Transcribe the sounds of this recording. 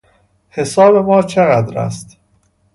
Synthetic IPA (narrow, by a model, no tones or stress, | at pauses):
he̞sɒːbe̞mɒːt͡ʃʰeɣæd̪ɾæ̰st̪